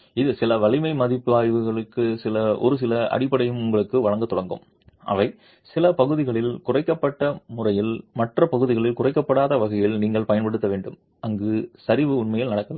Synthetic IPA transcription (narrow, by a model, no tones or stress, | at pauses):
ɪðɯsɪlɐʋɐɭɪmɐɪmɐðɪpːɯaːjʋɯɣɐɭɯkːɯsɪlɐʔɔ̰ɾɯs̬ɪlɐɐ̰ɽɪpːɐɽɐjɯmʊŋɡɐɭɯkːɯʋɐɻɐŋɡɐt̪ːɔɽɐŋɡɯ̰m | ʔɐ̰ʋɐɪ | sɪlɐpɐɣɯðɪɣɐɭɪlkʊrɐɪkːɐpːɐʈːɐmʊrɐjɪlmɐʈrɐpɐɣɯðɪɣɐɭɪlkʊrɐɪkːɐpːɐɽaːðɐʋɐɣɐjɪlniːŋɡɐɭpɐjɐnpɐɽɯt̪ːɐʋeːɳɖɯm | ɐŋɡɯsɐɾɪʋɯʊɳmɐjɪlnɐɽɐkːɐlɐ